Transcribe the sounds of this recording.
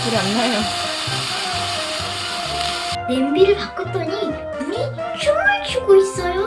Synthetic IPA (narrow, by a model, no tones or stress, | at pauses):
kɯɾanːajo | nembiɾɯɭpak͈ʌt͈ʌɲi | umi | t͡ɕʰuŋaɭt͡ɕʰuɡois͈ʌjo